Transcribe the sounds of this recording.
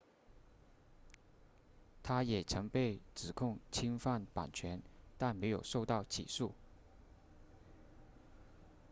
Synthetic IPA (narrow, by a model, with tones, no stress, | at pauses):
t̪ʰa˥jɛ˨˩t͡sʰɤ˧˥ŋpe˥˩ɪʈ͡ʂɹɻ̩˨˩kʰʊ˥˩ŋt͡ɕʰi˥ŋfa˥˩npa̰˨˩nt͡ɕʰɥɛ˧˥nt̪a˥˩nme˧˥ɪjo˨˩ʊʂo˥˧ʊt̪ɑ˥˩ʊt͡ɕʰḭ˨˩ʂu˥˩